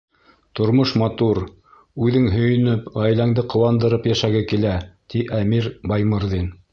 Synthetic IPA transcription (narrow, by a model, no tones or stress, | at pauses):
t̪ŏɾmoʃmɑt̪uɾ | ʉðɘŋɦɵ̆jɵ̆nɘpʁæjlæŋd̪ɘqŏwɑnd̪ɤ̆ɾɤpjæʃæɡɘkilæt̪iʔæmiɾbɑjmɤ̆ɾðin